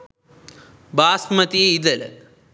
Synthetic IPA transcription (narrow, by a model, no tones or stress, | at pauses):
baːsmɐt̪ieid̪ɐlɐ̰